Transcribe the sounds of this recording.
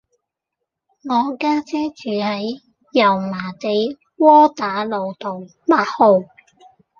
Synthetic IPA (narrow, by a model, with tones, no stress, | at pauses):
ŋɔː˨˧kaː˥t͡sɛː˥t͡ʃyː˨hɐ˨˥j | jɐ˨˩wmaː˨˩t̪e˨˧j | wɔː˥t̪aː˨˥lo˨˧wt̪o˨w | maː˨˧t̚ho˨˧w